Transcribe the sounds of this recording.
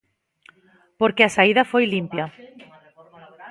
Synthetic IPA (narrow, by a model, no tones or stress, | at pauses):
poɾkeasaiðɐfojlimpjɐ